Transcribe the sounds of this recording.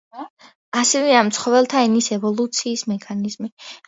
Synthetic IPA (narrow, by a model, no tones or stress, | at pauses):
asɛvɛamt̪sʰχɔvɛlˠt̪ʰaɛnisɛvɔlˠut̪sʰiːsmɛkʰanizmi